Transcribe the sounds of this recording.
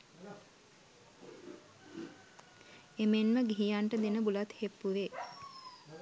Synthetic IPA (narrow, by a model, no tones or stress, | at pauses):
emenməɡiɦijaɳʈəd̪enəbulat̪hepːuʋe